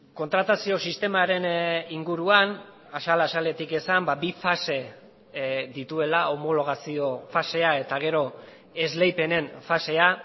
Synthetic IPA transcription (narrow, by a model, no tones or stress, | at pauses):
ko̞nt̪ɾat̪asio̞sist̪e̞maɾe̞niŋɡuɾuan | asalasale̞t̪ike̞sambabifase̞ | d̪it̪ue̞lao̞mo̞lo̞ɣ̞asio̞fase̞ae̞t̪aɣ̞e̞ɾo̞ | ezle̞jpe̞ne̞nfase̞a